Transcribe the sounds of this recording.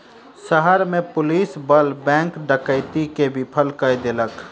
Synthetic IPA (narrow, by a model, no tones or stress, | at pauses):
səɦəɾmepʊlisbəlbɛ̃ŋkɖəkəɪt̪ikebʱipʰəlkəjd̪elək